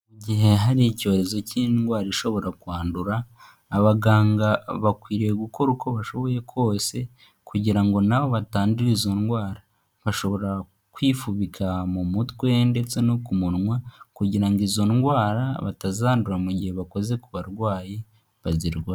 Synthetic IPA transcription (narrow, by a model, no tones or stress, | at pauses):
muɟiɦe̞ɦaɾico̞ːɾe̞zo̞cinɡwaːɾiʃo̞βo̞ɾakuaːnduɾaː | βaɡaːŋɡaβakwiːɾe̞ɡuko̞ɾuko̞βaʃo̞βo̞je̞kʰwo̞ːse̞ | kuɟiɾaŋɡo̞naβo̞βataːnduɾizo̞nɡwaːɾa | βaʃo̞βo̞ɾa | kwiːfuβikʰamumutwende̞t͡se̞nokumuɾŋwakuɟiɾaŋɡizo̞nɡwaːɾa̰βa̰tazaːnduɾamuɟihe̞βako̞ze̞kuβaɾɡwaːje | βaziɾɡwa